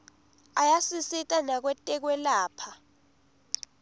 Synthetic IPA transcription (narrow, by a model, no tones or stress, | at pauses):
ajasisitʼanak̬wɛtʼɛk̬wɛlaːpʰa